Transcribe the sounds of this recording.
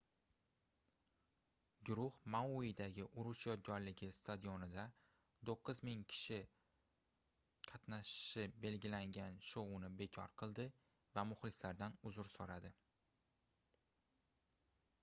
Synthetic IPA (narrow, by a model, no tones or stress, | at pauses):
ɡʊɾʊhmauɪd̪aɡʲɪʔʊɾʊʃjɒd̪̚ɡʲɒɾlɪɡʲɪst̪ʰad̪ijonɪd̪a | d̪oqːɨzmɪŋkʲʰɪ̥ʃɪ | qʰɑt̪naʃɪ̥ʃɪbe̞lɡʲɪlaŋʲanʃowʊnɪbe̞kʲʰɒ̰ɾqʰɨlˠd̪ɪ | vamʊχlɪkʲlaɾd̪anʊzʊɾsoɾad̪ɪ